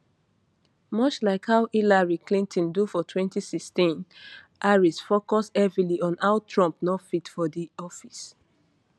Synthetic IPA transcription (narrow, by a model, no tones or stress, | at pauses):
mɔt͡ʃlaɪkhaʊʔilaɹiklĩntʰɔ̃ndufɔtʰwɛ̃ntisikstĩn | ʔaɹisfokɔsɛvɹiliɔ̃naʊtʰɹɔ̃mpnɔfitfɔdiɔfis